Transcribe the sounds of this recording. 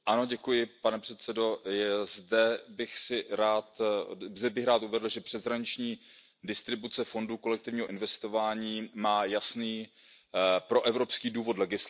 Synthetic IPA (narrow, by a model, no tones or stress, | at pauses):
ʔano̞ɟɛkujɪpanɛpr̝̥ɛt̪sɛdo̞jɛzdɛbɪxsɪɾaːt̪zɛbɪxɾaːt̪uvɛdl̩ʒɛpr̝̥ɛzɦɾaɲɪt͡ʃɲiː | dɪst̪ɾɪbut͡sɛfo̞nduko̞lɛk̚t̪ɪvɲiːɦo̞ʔɪnvɛst̪o̞vaːɲiːmaːjasniː | pɾo̞ʔɛvɾo̞pskiːduːvo̞tlɛɡɪs